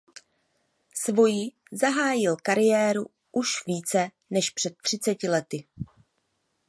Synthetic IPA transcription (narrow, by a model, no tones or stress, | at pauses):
svo̞jɪ | zaɦaːjɪlkaɾɪjɛːɾu | ʔuʃviːt͡sɛ | nɛʃpr̥ɛt̪̚ːr̝̥ɪt͡sɛcɪlɛt̪ɪ